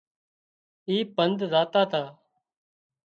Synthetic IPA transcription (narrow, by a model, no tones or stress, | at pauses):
iːpənd̪zaːt̪aːt̪ʰaː